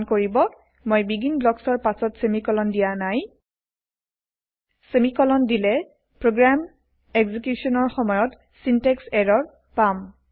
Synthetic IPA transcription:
nkoɹibɔ | mojbiɡinblɔksɔɹpasɔtsemikɔlɔndijanaj | semikɔlɔndilɛ | pɹoɡɹam | ɛɡzikjusɔnɔɹxɔmɔjɔt | sintɛksɛɹɔɹ | pam

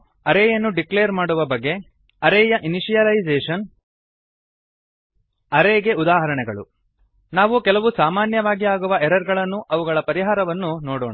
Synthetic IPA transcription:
ɐɾeːjɐnːuɖikleːɾmaːɽuʋɐbɐɡːe̞ | ɐɾɛːjɐʔiniʂijɐlɐid͡ʒeːʂɐn | ɐɾeːɡe̞ud̪aːɦɐɾɐɳɛɡɐɭṵ | naːʋukɛlɐʋusaːmaːnjɐʋaːɡiaːɡuʋɐʔɛɾɐɾɡɐɭɐnːuʔɐʋuɡɐɭɐpɐɾiɦaːɾɐʋɐnːunoːɽo̰ːɳa

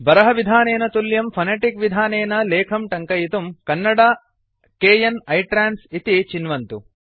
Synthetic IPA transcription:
bɐɾɐɦɐʋid̪ʱaːneːnɐt̪uljɐmpʰɐneʈikʋid̪ʱaːneːnɐleːkʰɐmʈɐŋkɐjit̪umkɐnːɐɽaː | keːjɐnɐjʈɾaːnsit̪it͡ʃinʋɐnt̪u

